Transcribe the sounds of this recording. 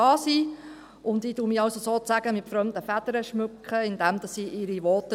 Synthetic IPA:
ɑːsiː | ʊnd̪iːduːmiɑwsosoːt͡sæɡ̥əmɪtfɾœmd̪əfæd̥əɾəʃmʉkχəɪnd̪ɛmd̪ɑsːiːʔɪɾiʋɔtə

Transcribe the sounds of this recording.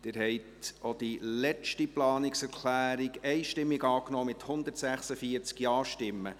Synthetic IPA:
d̥ɪːɾhɛɪtod̥ilɛt͡ʃtiplɑːnɪksɛɾkʰlæːɾɪɡɛɪʃtɪmːiɡɑːknɔːmɪt̪hʊnd̪əɾtsæχsəfiəɾt͡skjɑːʃtɪmːə̰

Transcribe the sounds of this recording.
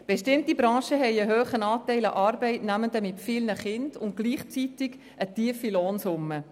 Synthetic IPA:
b̥eʃtɪmtibɾɑ̃ːʃəɦɛɪəɦøːχənɑːtɛɪlɑ̰ʔɑːɾbɛɪtnæməndəmɪtfɪːlnəχɪnd̥ʊnt̚ɡ̥liːχt͡sitɪɡ | ətiəfiloːnsʊmːə

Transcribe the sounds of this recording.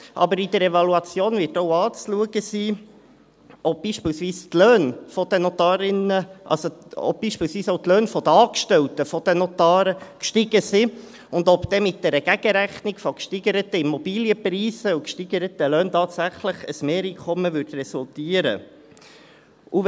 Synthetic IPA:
ʔɑ̰bəɾid̪əɾɛvɑluɑt͡sjoːnvɪtɔwɑːt͡sluəɡəsiː | ɔp̚b̥iːʃpiːlsʋiːstløːnfɔd̪ənɔt̪ɑːɾɪnəʔɑ̰lsoɔ̰b̚b̥iːʃpiːlsʋiːsɔʊtløːnfɔd̥̪əɑːkʃtɛltəfɔd̥̪ənɔt̪ɑːɾəkʃtɪɡ̥əsi | ʊnd̪ɔpd̪̥ɛmɪt̚d̥ɛɾəɡ̥æɡ̥əɾæχnɪkfɔkʃtiɡəɾət̪əɪmɔbiːljəpriːsəukʃtiɡ̥əɾət̪əløːnt̪ɑːt̪sæχləχəsmeːɾiːkʰɔmːəvʏdrɛsult̪iːəɾə̰ | u

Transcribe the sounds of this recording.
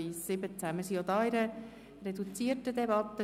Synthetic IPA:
iːsːɪbət͡sæmɪsiod̪ɑːiɾə | rɛdut͡siətədɛbɑt̪ə

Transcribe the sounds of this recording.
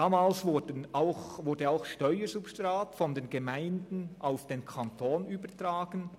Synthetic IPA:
d̥aːmaːlsvʊdənaʊxvʊdəaʊxʃtɔʏəzupʃtraːtfɔndeːnɡemaɪndn̩ʔaʊfd̥eːnkʰantʰoːnyːbətraːɡən

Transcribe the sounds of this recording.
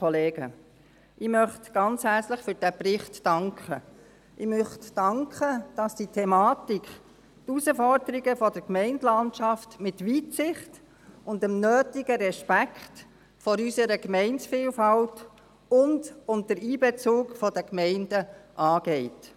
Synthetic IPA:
ɔleːɡ̥ə | ɪmœχtɡ̥ɑnt͡shæɾt͡sləχfʏɾd̥æpɾɪχtːɑŋkχə | ʔɪmœχtd̥ɑŋkχəd̥ɑsd̥itʰɛmɑːtikχ | tusəfɔɾdəɾiɡəfɔdəɾkmɛɪntlɑntʃɑftmɪtʋiːtsɪχt | ʊndəmnøːtɪɡ̥əɾɛʃpækχt | fɔɾysəɾəkmɛɪnsfiːlfɑlt | ʊndʊndəɾiːbɛt͡suːkfɔd̥əkmɛɪndəʔɑːɡ̥ɛɪt

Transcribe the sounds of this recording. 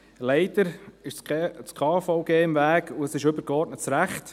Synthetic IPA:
lɛɪd̪əɾɪʃt͡skʰɑːfɔʊɡeːɪmvæːɡuəsɪʃʏbəɾkɔɾtnətt͡sɾæχt

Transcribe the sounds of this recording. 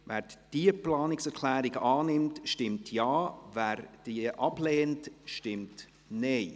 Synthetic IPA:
ʋæːɾd̥iəplɑːnɪksɛɾkʰlæːɾɪɡɑːnɪmtʃtɪmtʰjɑːvæːɾd̥iʔɑb̥lɛːntʃtɪmt | nɛɪ

